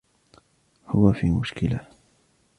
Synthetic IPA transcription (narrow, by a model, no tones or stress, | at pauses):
hʊwafḭːmʊʃkɪla